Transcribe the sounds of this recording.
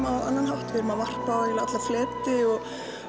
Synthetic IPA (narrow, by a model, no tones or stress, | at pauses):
aðanːanhawht̪vɪɾmavar̥pajɪlaat̪laflɛːt̪ɪɔɣ